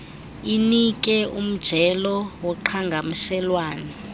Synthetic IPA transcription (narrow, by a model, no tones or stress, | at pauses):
inik̬ʼɛum̩d̥ʒ̥ʱɛlɔwɔǃʰaŋɡʱamusɛlwaːnɛ